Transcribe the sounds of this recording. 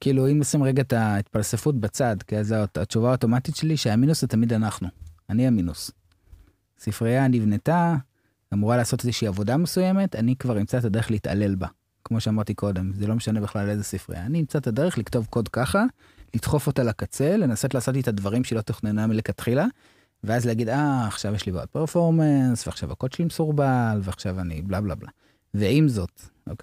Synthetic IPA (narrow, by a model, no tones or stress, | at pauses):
kiːluimjosimʁeɡat̪ait̪palsefutbat͡sadkiazat͡ʃuvaoto̞matitʃeliʃeaminuszetamidanaχnuaniaminus | sifʁijanivneta | amuʁalaːso̞te̞zeʃiːavo̞damesuje̞met̪anikvaʁimt͡saetade̞ʁeχleit̪a̰le̞lba | kmo̞ʃeamaʁt̪iko̞de̞mzelo̞meʃane̞beχlale̞zesifʁḭja̰ːniimt͡saet̪ade̞ʁeχlikto̞vko̞dkaχa | litχo̞fotalakat͡se̞lenaso̞tlaːso̞t̬it̪advaʁimʃelo̞t̪oχnenamilekatχila | veazleaɡid̪aːχʃavjeʃlibeod̚peʁfo̞ʁmensveaχʃavakotʃlimesuʁbalveaχʃavaniblabla̰bla̰ | veimzo̞toke